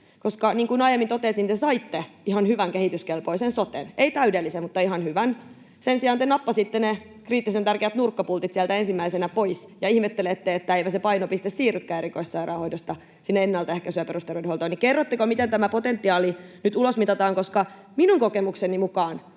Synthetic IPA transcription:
koskɑniːŋkunɑjemːint̪ot̪eːˑsint̪esɑit̪ːeihɑnhyʋæŋkehit̪yskelpoisensot̪ḛneit̪æydelːisemut̪ːɑihɑnhyʋæn | sensiɑːnt̪enɑpːɑsit̪ːene | kriːt̪ːisent̪ærkeæt̪nurkːɑpult̪it̪siælt̪æensimːæisenæpois | jɑihmet̪ːelet̪ːeet̪ːæeipæsepɑinopist̪essiːrykːæːeɾikoissɑirɑːhoidost̪ɑ | sinːæenːɑlt̪ɑehkæsyøperust̪ɑrʋeduholt̪oinikerːot̪ːekomit̪ent̪æmæpot̪ent̪ːiɑːlinyt̪ulosmit̪ɑt̪ɑːŋkoskɑ | minuŋkokemuksenimukɑːn

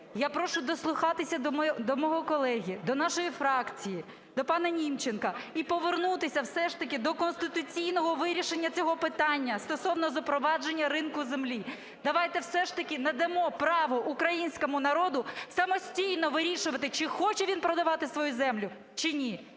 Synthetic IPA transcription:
japɾɔʃʊd̪ɔslˠʊxɑt̪ɪsʲɐd̪ɔmd̪ɔmɔɦɔkɔlˠɛɦʲid̪ɔnɑʃɔjifɾɑkt͡sʲiji | d̪ɔpɑnɐnʲimt͡ʃenkɐipɔʋernut̪ɪsʲɐwsɛʃt̪ɐkʲɪd̪ɔkɔnst̪ɪt̪ʊt͡sʲijnɔɦɔʋɪɾʲiʃenʲːɐt͡sʲɔɦɔpɪt̪ɑnʲːɐst̪ɔsɔwnɔzɐpɾɔʋɑd͡ʒenʲːɐɾɪnkʊzemlʲi | d̪ɐʋɑjt̪ɛwsɛʃt̪ɐkʲɪnɐd̪ɐmɔpɾɑʋɔʔukɾɐjinʲsʲkɔmʊnɐɾɔd̪ʊsɐmɔsʲtʲijnɔʋɪɾʲiʃʊʋɐt̪ɪt͡ʃɪxɔt͡ʃɛʋʲinpɾɔd̪ɐʋɑt̪ɪsʋɔjuzɛmlʲʊ | t͡ʃɪnʲi

